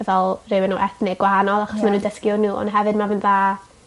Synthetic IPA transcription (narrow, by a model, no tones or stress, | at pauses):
ɛvɛlˠrɪwɛnuʔɛθnɪɡwaanɔlˠaχɔsmanuːndəskjɔnuːɔ̰nɦɛvɨdmavɨnðaː